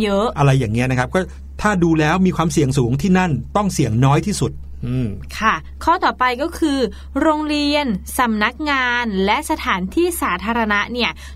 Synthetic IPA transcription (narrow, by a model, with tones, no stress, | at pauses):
jɤ˦˥ʔʔa˧ɾa˧jːaː˨˩ŋːi˦˥ɐna˦˥kʰa˦˥p̚kɔː˥˩ | t̪ʰaː˥˩duː˧lɛː˦˥wmiː˧kʰwaː˧msi˨˩əŋsuː˩˦ŋt̪ʰiː˥˩na˥˩nt̪ɔ˥˩ŋsi˨˩əŋnɔː˦˥jt̪ʰiː˥˩su˨˩t̪̚ | ʔɯː˧˩kʰa˥˩ | kʰɔː˥˩t̪ɔː˨˩pa˧jkɔː˥˩kʰɯː˧ | ɾoː˧ŋɾi˧ənsa˩˦mna˦˥k̚ŋaː˧nlɛ˦˥ʔsa˧t̪ʰaː˩˦nt̪ʰiː˥˩saː˩˦t̪ʰaː˧ɾa˧na˦˥ʔni˥˩ɐ